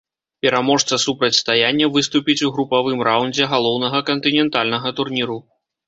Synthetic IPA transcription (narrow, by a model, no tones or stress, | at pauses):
pʲɛɾamɔʂt̪sɐsupɾɐt͡sʲst̪ajanʲːɐvɨst̪upʲit͡sʲuɣɾupavɨmɾawnd͡zʲɛɣalˠɔwnɐɣɐkɐnt̪ɨnʲɛnt̪alʲnɐɣɐt̪urnʲiɾu